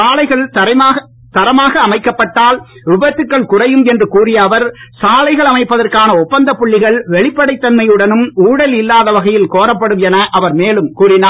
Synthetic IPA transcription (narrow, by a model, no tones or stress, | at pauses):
saːlɐɪɣɐɭtɐɐː | t̪ɐɾɐmaːɣɐːmɐɪkːɐpːɐʈːaːlɾʊbɐt̪ːɯkːɐɭkʊrɐjɯmɛndrɯkuːrɪjɐʋɐɾsaːlɐɪɣɐɭɐmɐɪpːɐðɐrkaːnɐɔpːɐnd̪ɐpːʊɭːɪɣɐɭʋɛɭɪpːɐɽɐɪt̪ːɐnmɐjɯɽɐnɯmuːɽɐlɪlːaːðɐʋɐɣɐjɪlkoːɾɐpːɐɽɯmɛnɐʔɐʋɐɾmeːlɯmkuːrɪnaː